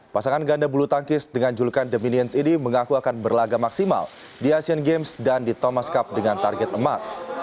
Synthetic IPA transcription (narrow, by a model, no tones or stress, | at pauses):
pasaŋanɡandabulut̪aŋkɪsdəŋand͡ʒulukandəminiɛnsiniməŋakuakanbərlaɡamaksima̰l | diasiənɡemsdandit̪omaskap̚dəŋant̪arɡɛt̪əmas